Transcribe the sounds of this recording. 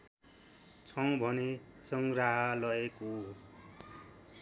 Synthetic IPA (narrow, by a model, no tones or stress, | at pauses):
t͡sʰʌw̃bʱʌnesʌŋɡraɦʌlʌeko